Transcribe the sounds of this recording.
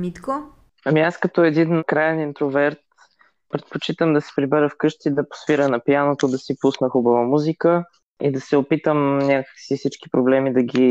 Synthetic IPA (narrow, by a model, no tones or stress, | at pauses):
mit̪ko | ɐmiaskɐt̪ɔɛd̪inkɾajɛnint̪ɾovɛɾt̪ | pɾɛt̪̚pot͡ʃit̪əmd̪ɐsɛ̥pɾibɛɾəfkɤʃt̪id̪ɐpo̥sviɾənɐpjanot̪od̪ɐsipusnəxubɐvəmuzikə | ḭd̪ɐsɛopit̪əmnʲakə̥ksifsit͡ʃki̥pɾoblɛmid̪ɐɡʲi